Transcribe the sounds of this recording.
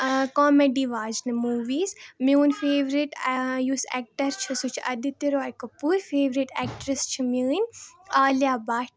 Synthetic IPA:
kɔːmeɖiʋaːd͡ʒnɨmuːʋiːzmewnfeːʋɾiʈjuːsɛ̰ːk̚ʈɐɾt͡ʃʰisut͡ʃʰɐ̰d̪it̪iɾoajkɐpuːɾfeːʋɾiʈɛːk̚ʈɾist͡ʃʰiməːnʲaːljaːbaːʈ

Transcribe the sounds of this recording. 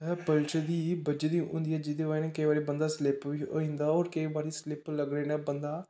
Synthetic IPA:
ɛpəlt͡ʃəd̪iːbəd͡ʒed̪iːʊ̰̃nd̪iːɛːd͡ʒɪd̪eːʋaːeːnɛ̃ːkəiːbaːɾeːbənd̪aːslɪpʋiːo̰ːĩnd̪aːoːɾkəiːbaːɾiːslɪpləɡɾeːnɛ̃ːbənd̪aː

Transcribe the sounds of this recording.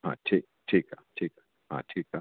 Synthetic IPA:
ɦã̰ʈʰik̚ʈʰiːkaʈʰiːka | ɦã̰ʈʰiːka

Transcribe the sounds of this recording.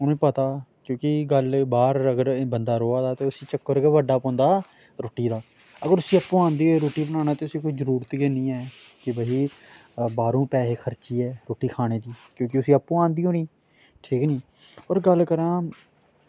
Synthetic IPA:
ʊnõpət̪aːkjõːkɪɡəlbaːɾəɡəɾbənd̪aːɾoːaːd̪aːt̪eːʊsĩːt͡ʃəkːəɾkeʋəɖaːpõːnd̪aː | ɾoːʈiːd̪aː | əɡəɾʊsĩːəpːũːãːnd̪iːiɾoːʈiːbənaːnaːt̪eːʊsĩːkoːiːzəɾuːɾt̪ɡeːnĩːɛːkɪbəiː | baːɾõːpɛːɦexʰəɾt͡ʃiːɛːɾoːʈiːkʰaːɽ̃eːd̪iːkjõːk̬ɪʊsĩːəpːũːãːnd̪iːɦoːniː | ʈʰiːkniː | ɔːɾɡəlkəɾãː

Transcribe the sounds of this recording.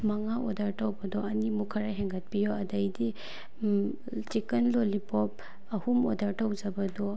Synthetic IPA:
maŋaɔdaɾtawbɐdɔɐnimukʰɐɾaɦeŋɡɐt̚pijɔɐdajdi | t͡ʃikɐnlolipɔp̚ | ɐhumɔdaɾtawd͡ʒɐbɐdɔ

